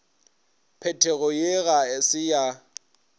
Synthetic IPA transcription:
pʰɛtʰeɣʊjeɣaɪsɪja

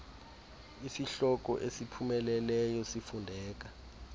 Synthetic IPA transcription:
isiɬɔk̬ʼɔ̰ʔesipʰumɛlɛlɛjɔsifundʱɛːk̬a

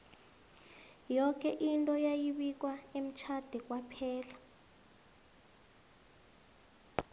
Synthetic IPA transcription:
jɔk̬ʼɛʔintʼɔjajiɓik̬ʼwaem̩t͡ʃʰad̥ʱɛk̬ʼwapʰɛːla

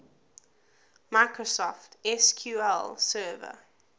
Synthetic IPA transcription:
maɪkɹosɔftɛskʰjuːɛlsɜːvə̰

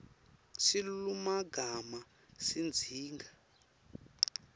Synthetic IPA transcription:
silumaɡʱama | sind͡zʱiːŋɡa

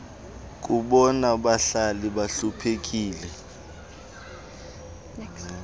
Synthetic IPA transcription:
k̬ʼuɓɔnaɓaɬaliɓaɬupʰek̬ʼiːlɛ

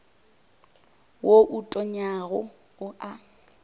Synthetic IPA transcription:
woʔutʼɔɲaɣʊ | ʊʔa

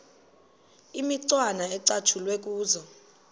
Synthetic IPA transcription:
imiǀwanaɛǀat͡ʃʰulwek̬ʼuːzɔ

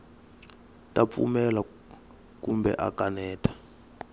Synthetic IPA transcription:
tʼap̪fṵmɛla | kumbɛ̰ʔa̰kanɛːtʰʼḁ

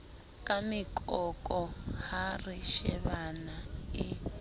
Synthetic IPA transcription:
kʼamikʼɔkʼɔhariʃɛβanai

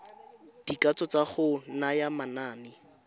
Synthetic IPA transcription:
d̥ikat͡sɔt͡saχʊnajamanaːnɪ

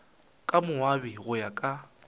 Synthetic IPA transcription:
kʼamʊwabiɣʊjakʼa

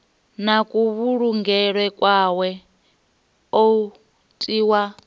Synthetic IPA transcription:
nakʼuβuɺuŋɡɛɺwɛkʼwawɛ | o | tʼiːwa

